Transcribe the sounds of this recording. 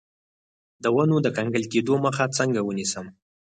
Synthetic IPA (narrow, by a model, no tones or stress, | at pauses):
d̪əwanod̪əkaŋɡəlked̪oməxat͡səŋɡawənisəm